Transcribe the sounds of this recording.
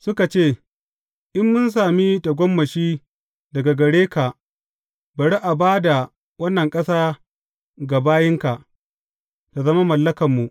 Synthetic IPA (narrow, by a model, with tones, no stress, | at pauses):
sʊ˦ka˨t͡ʃeː˦˨ | ʔɪ˦mːʊ˦ns̬aː˨mi˦ta˨ɡʷɔ˦mːɐ˨ʃiː˦ | dɐ˨ɡa˨ɡɐ˨ɽeː˦ka˨ʔ | bɐ˨ɽi˦ʔa˨baː˦da˨ | wɐ˦nːɐ˨ŋkʼɐ˦saː˦ | ɡa˨baː˦jɪ˦ŋka˨ʔ | ta˨zɐ˦ma˦mɐ˨lːɐ˦kɐ˨mːu˨ʔ